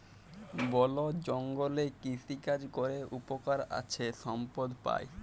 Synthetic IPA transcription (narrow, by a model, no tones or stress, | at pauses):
bɔlod͡ʑɔŋɡolekisikad͡ʑkoɾeʔupokaɾa̰t͡ɕʰeʃɔmpod̪pa̰j